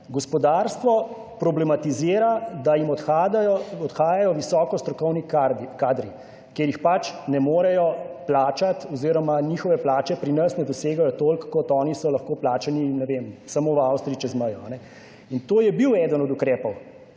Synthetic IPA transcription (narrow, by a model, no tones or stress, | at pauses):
ɡɔspɔd̪aːɾst̪ʋɔ | pɾɔblɛmat̪iziːɾad̪ajimɔt̪xad̪ajɔɔd̪xaːjajɔʋisɔːkɔst̪ɾɔkɔwnikkaːd̪ɾi | kjeːɾjixpat͡ʃnɛmoːɾɛjɔplaːt͡ʃat̪ɔziːɾɔmanixɔʋɛplaːt͡ʃɛpɾinɐsnɛd̪ɔseːɡajɔt̪olkːɔt̪ɔːnisɔlɐxkoplaːt͡ʃaninɛʋemsamoːwawst̪ɾiit͡ʃɛzməjɔanɛ | int̪oːjɛbiwɛːd̪ənɔd̪ukɾɛːpɔw